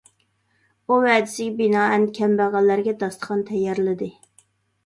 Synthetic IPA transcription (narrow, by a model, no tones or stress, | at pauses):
uvɛd̪ɪsɪɡʲɛbinɑːɛnkʲʰɛmbæʁɑlːæɾɡʲɛd̪ɑst̪ə̥qʰɑnt̪ʰɛjːɑɾlɪd̪ɪ